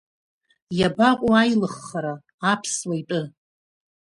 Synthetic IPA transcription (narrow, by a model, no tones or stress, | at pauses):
jabakʷʼuajlɨχːaɾaː | pʰswaitʼɨ